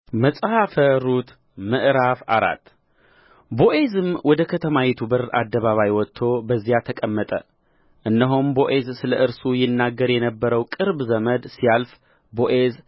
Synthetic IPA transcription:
məsʼhafəɾut̪ | mɨʔɾafa̰ɾa̰t̪ː | bo̞ʔe̞zɨmwʔɔd̪əkʰət̪ʰəmawɛt̪ʰubɨra̰d̪ːəβaβajwɔt̪ʰːo̞bəzːijat̪ʰəkʼəmːət̪ʼə̰ | ʔɨnːəɦombo̞ʔe̞zsɨləɨɾsujɪnːaɡːəɾjɛnəbːəɾəwkʼɨɾbzəməd̪sijalf | boʔez

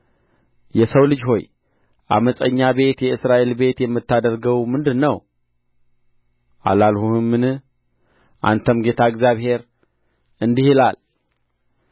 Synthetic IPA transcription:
jɛsəwlɨd͡ʒho̞j | ʔa̰məsʼəɲːaβe̞t̪jɛɨsɾaʔelbe̞t̪jɛmːɨt̪ːad̪əɾɡəwmɨnd̪ɨnːəw | ʔa̰lalhuhɨmːɨnɨ | ʔa̰nt̪ʰəmɡe̞t̪ʰaɨɡzjaβhe̞ɾ | ɨnd̪ihilal

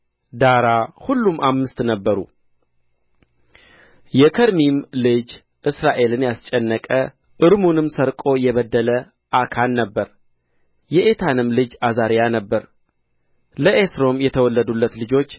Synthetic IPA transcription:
d̪aɾahulːumʔamːɨst̪nəbːəɾṵ | jɛkʰəɾmimlɨd͡ʒ | ʔɨsɾaʔe̞lɨnjast͡ʃʼɛnːəkʼə | ʔɨɾmunɨmsəɾkʼo̞jɛβəd̪ːələ | ʔakʰanːəbːəɾ | jɛʔet̪ʰanɨmlɨd͡ʒazaɾjanəbːəɾ | ləʔesɾo̞mjɛt̪ʰəwɔlːəd̪ulːət̪lɨd͡ʒo̞t͡ʃː

